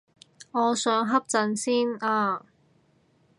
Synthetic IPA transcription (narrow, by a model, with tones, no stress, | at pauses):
ŋɔː˨˧sœː˨˥ŋɦɐ˥p̚t͡sɐ˨˧nsiː˥naː˧